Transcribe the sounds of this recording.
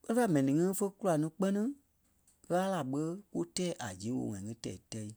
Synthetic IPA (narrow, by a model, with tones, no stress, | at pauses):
ɓə˦ĩ˦fa˦˨mɛ̃˨nĩ˨ŋĩ˦fə˦ku˦la˨nĩ˧˦k͡pɜ˦nĩ˦ | ɣaː˦la˨ɓə˦ku˦tɛː˦ʔa˨d͡ʒĩː˨˦wo̰˧˨ŋã˨ŋĩ˦tɛ̰˨i˨tɛ˦i˧